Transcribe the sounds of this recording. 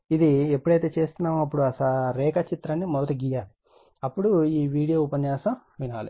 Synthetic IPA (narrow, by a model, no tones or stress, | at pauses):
id̪iepːuɽɐjt̪e̞ːt͡ʃe̞ːst̪unːaːmuɐpːuɽuɐsɐɾɛːkɐt͡ʃit̪ɾɐnːimɔd̪ɐt̪iɡiːjaːli | ɐpːuɽuiːʋiːɽijoːupɐɲjaːsɐm | ʋinaːli